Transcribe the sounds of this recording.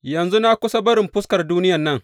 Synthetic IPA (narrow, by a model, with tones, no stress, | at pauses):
jɐ˨nzu˦na˦kʷʊ˦sɐ˦bɐ˦ɾɪ˨mɸʊ˦skɐ˨rduː˦nɪ˦ja˨nːɐ˦ŋ